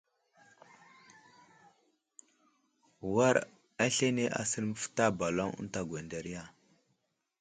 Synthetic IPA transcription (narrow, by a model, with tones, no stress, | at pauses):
wa˦ɾ | a˦ɬe˦ne˦ʔa̰˦sə˦ɾmə˦fə̥˦ta˦ba˨lo˦ŋə̰˦nta˨ɡwʷe˨nda˨ɾi˦ja˦